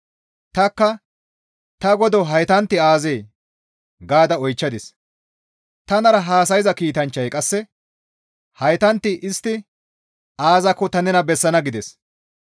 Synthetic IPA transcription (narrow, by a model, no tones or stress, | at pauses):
t̪ɐkːɐ | t̪ɐɡɔd̪ɔɦɐjt̪ɐnt̪ːɪaːzeː | ɡaːd̪ɐɔjt͡ʃːɐd̪ɪs | t̪ɐnɐɾɐɦaːsɐjɪzɐkiːt̪ɐnt͡ʃːɐjkʼɐsːɛ | hɐjt̪ɐnt̪ːɪʔɪst̪ːɪ | aːzɐkːɔt̪ɐnɛnɐbɛsːɐnɐɡɪd̪ɛs